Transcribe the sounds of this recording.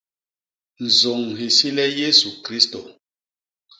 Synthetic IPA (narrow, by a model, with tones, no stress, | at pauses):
n̩˨zo˨ŋ˨ɦi˨si˦lɛ˦je˦su˨kɾi˦sto˨